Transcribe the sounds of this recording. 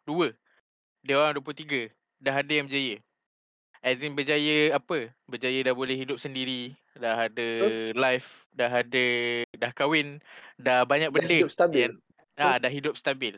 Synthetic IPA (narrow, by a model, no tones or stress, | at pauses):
duə | deoɾaŋduwəp̬lut̪iɡə | daɦadəjaŋbəd͡ʒajə | ʔɛzinbəd͡ʒajəapəbəd͡ʒajədahbolɛhɦidʊp̚səndiɾi | daɦadəlajf | daɦadədahkawɪndahbaɲak̚bəndəsan | adahɦidʊp̚st̪abɪl